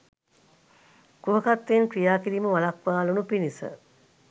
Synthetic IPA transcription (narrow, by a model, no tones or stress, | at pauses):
kuɦəkat̪ːeːnkɾijaːkiɾiməʋalakʋaːlunupinisə̰